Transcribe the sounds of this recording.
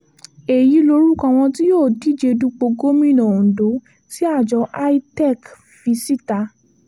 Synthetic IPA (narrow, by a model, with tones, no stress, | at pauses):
e˨ji˨˦lo˧ɾu˦kã˧w̃ɔ̃˧ti˦joː˦˨di˨˦d͡ʒe˧du˦k͡po˧ɡo˦mĩ˦˨nã˨ũ˨do˨˦ | si˦a˦˨d͡ʒɔ˨˧˦ʔa˦i˦tɛ˦˨k | fi˧si˦ta˧